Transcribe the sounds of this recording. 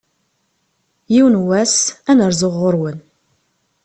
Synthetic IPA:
jiwnwæsænəɾzʊʁːʊɾwən

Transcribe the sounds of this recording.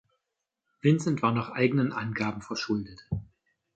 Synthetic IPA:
vɪnsən̩tv̥aːɐnaχʔaɪɡənənʔa̰nɡaːbm̩fɛɐʃʊldət

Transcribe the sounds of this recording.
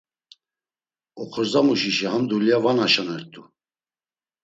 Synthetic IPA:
ɔχʰɔɾzamuʃiʃihamd̪ulijavanaʃanɛɾt̪ʼu

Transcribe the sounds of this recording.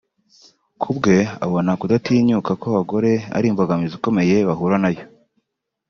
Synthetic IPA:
kʰubɡe̞a̰βonakudatiːɲukakoβaɡo̞ɾe̞a̰ɾiːmboɡamiziko̞me̞je̞βaɦuɾanajo̞

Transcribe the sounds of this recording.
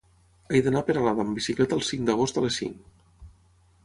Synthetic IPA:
ajðənapeɾalaðəmbisiklɛt̪əːlˠsiŋd̪əɣost̪əlesḭŋ

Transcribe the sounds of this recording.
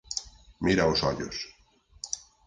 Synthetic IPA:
miɾaosɔʎo̰s

